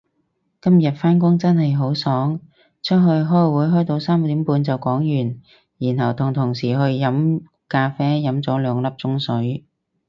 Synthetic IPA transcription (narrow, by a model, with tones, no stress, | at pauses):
kɐ˥mjɐ˨t̚faː˥nk̬ʊ˥ŋt͡sɐ˥nhɐ˨jɦo˨˥wsɔː˨˥ŋ | t͡ʃʰɵ˥t̚ɦɵ˧ɥɦɔː˥jwuː˨˥jɦɔː˥jt̪o˧wsaː˥m˧t̪iː˨˥mpuː˧nt͡sɐ˨wkɔː˨˥ŋjyː˨˩n | jiː˨˩nhɐ˨˩wt̪ʰʊ˨˩ŋt̪ʰʊ˨˩ŋsiː˨˩ɦɵ˧ɥjɐ˨˥m | kaː˧fɛː˥jɐ˨˥mt͡sɔː˨˥lœː˨˧ŋlɐ˥p̚t͡sʊ˥ŋsɵ˨˥ɥ